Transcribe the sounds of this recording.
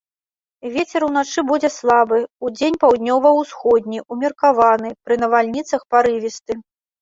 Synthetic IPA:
vʲet͡sʲɛɾun̪at͡ʂɨbud͡zʲɛslˠabɨud͡zʲenʲpawd̪̚ʲnʲɔvɐwsxɔd̪ʲnʲiumʲirkavanɨpɾɨnɐvalʲnʲit̪sɐxpaɾɨvʲist̪ɨ

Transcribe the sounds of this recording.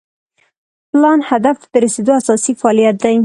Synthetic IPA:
plɑnhad̪aft̪əɾased̪oasɑsifɑɑlijat̪̚d̪aj

